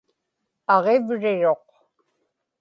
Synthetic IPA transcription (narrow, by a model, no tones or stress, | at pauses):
ɑʁevɻɪɻo̞q